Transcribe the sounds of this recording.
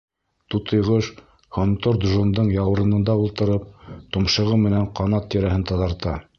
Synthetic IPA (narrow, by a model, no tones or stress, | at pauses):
t̪ut̪ɤ̆jʁɤʃ | hŏnt̪oɾd̪ʒond̪ɤɴjɑwɤ̆ɾɤ̆nɤ̆nd̪ɑulˠt̪ɤ̆ɾɤp̚t̪ŏmʃɤ̆ʁɤmɘ̆næɴqɑnɑt̪ːiɾæɦɘnt̪ɑðɑɾt̪ɑ